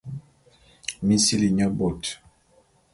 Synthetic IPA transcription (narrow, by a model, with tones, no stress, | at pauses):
mi˦si˦li˨ɲa˦bɔ˨t